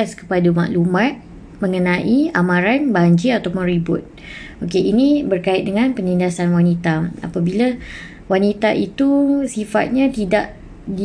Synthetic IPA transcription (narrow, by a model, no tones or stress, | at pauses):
askə̥padama̰ʔlumãt̪̚ | mə̃ŋənãʔiamãɾanbaɲd͡ʒiat̪apʊnɾibʊt̪̚ | okeʔinĩbərkaɪt̪̚dəŋãnpənindasanwanit̪aa̰pabila | wanit̪aʔit̪usifa̰t̪̚ɲãt̪idaʔ | di